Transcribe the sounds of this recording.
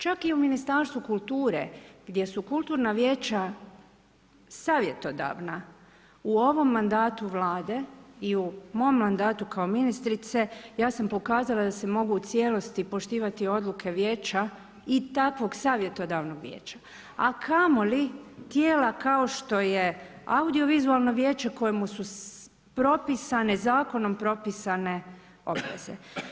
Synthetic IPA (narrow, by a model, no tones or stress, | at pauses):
t͡ʃakiuminist̪aɾst̪ʋukulˠt̪uːɾe̞̰ɡ̥d̪je̞sukulˠt̪uːɾnaʋje̞ːt͡ʃa | saːʋje̞t̪o̞d̪a̰ʋna | uo̞ʋo̞mːand̪aːt̪uʋlaːd̪e̞iumo̞mːand̪aːt̪ukao̞minist̪ɾit̪se̞jaːsampo̞kaːzalad̪ase̞mo̞ɡuːt̪sje̞lo̞st̪ipo̞ʃt̪iːʋat̪io̞d̪lukʰe̞ʋjeːt͡ʃa | it̪akʋo̞ɡsaːʋje̞t̪od̪aːʋnoɡʋjḛːt͡ʃḁ | akʰamolit̪jeːlakao̞ʃt̪o̞je̞ | aud̪io̞ʋizualˠno̞ʋje̞ːt͡ʃe̞ko̞jemusu | pɾo̞pisanezaːko̞no̞mpɾo̞pisane̞ | o̞̰bʋḛze̞̰